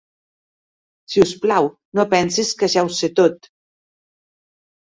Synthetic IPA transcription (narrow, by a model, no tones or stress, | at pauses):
siusplaw | nopɛnseskaʃɛwset̪ot̪